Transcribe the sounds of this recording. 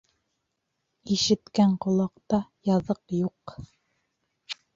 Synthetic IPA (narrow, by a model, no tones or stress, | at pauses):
iʃɘ̆t̪kæɴqŏlˠɑqt̪ɑjɑðɤqjuq